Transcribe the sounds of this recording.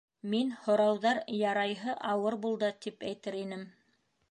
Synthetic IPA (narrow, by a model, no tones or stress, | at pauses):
minhŏɾɑwðɑɾjɑɾɑjɦɤʔɑwɤɾbulˠd̪ɤt̪ipæjt̪ɘɾinɘm